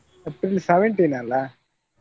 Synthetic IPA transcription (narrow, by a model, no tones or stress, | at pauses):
epːɾilseʋeɳʈinaːlːa